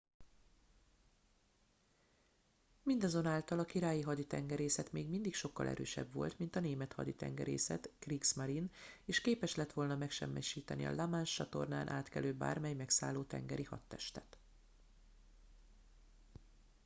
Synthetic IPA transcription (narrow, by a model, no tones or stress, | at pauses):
mind̪ɒzo̞naːlt̪ɒlɒkiɾaːjiɦɒd̪it̪ɛŋɡɛɾeːsɛt̪meːɡmind̪ikʃo̞kːɒlʔɛ̰ɾø̰ːʃɛ̰bʋo̞̰lt̪mint̪ɒneːmɛt̪hɒ̰d̪it̪ɛ̰ŋɡɛ̰ɾḛːsɛt̪kriksmaɾineːʃkeːpɛʃlɛt̪ʋo̞lnɒmɛkʃɛ̰mːɛʃiːt̪ɛnḭɒ̰lamaːnʃt͡ʃɒt̪o̞̰rna̰ːnʔa̰ːt̪kɛløːba̰ːrmɛjmɛksaːlːoːt̪ɛ̰ŋɡɛɾihɒt̪ːɛʃt̪ɛt̪